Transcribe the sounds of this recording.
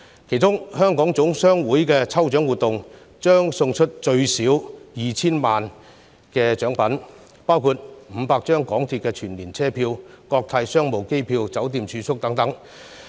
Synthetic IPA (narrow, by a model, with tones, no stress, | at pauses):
kʰe˨˩jt͡sʊ˥ŋhœː˥ŋkɔː˨˥ŋt͡sʊ˨˥ŋsœː˥ŋwuː˨˥jkɛː˧t͡sʰɐ˥wt͡ʃœː˨˥ŋwuː˨˩t̪ʊ˨ŋ | t͡ʃœː˥ŋsʊ˧ŋt͡ʃʰɵ˥t̚t͡ʃɵ˧ɥsiː˨˥wjiː˨t͡sʰiː˥nmaː˨n | kɛː˧t͡ʃœː˨˥ŋpɐ˨˥n | paː˥wkʰuː˧t̚m̩˨˧paː˧k̚t͡ʃœː˥ŋkɔː˨˥ŋt̪ʰiː˧t̚kɛː˧t͡ʃʰyː˨˩nliː˨˩nt͡sʰɛː˥pʰiː˧wkɔː˧k̚t̪ʰaː˧jsœː˥ŋmo˨˩wke˥jpʰiː˧wt͡sɐ˨˥wt̪iː˧mt͡ʃʰyː˨˧sʊ˥k̚t̪ɐ˨˥ŋt̪ɐ˨˥ŋ